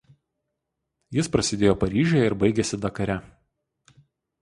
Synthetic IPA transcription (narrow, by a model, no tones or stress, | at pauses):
jɪspɾɐsʲɪd̪ʲeːjoːpɐɾʲiːʒʲɛjɛɪɾbɐɪɡʲɛsʲɪd̪ɐkɐɾʲɛ